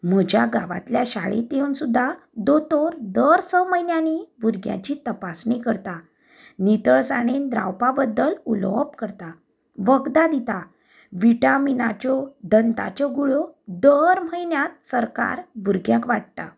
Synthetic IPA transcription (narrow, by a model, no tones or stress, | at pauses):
m̤əd͡ʑjaɡaʋa̰t̪ljaɕaɭḛt̪ewnsud̪ʱːa | d̪ot̪oɾd̪əɾsəməjnjanibʱuɾɡjã̰t͡ɕiːt̪əpasnikəɾt̪a | nit̪əɭsaɽ̃end̪ɾa̰wpabəd̪ːəlulpkəɾt̪a | ʋəɡd̪ad̪it̪a | ʋiʈaminat͡ɕɔd̪ənt̪a̰t͡ɕɔɡuɭɔd̪əɾm̤əjnjat̪̚səɾka̰ɾbʱuɾɡjãkʋaʈ̚t̪a̰